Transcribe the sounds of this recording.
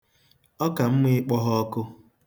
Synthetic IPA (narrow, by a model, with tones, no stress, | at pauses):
ɔ˦ka˨m̩˦me˦k͡pɔ˦ɦɔ˦ɔ˦kʊ˦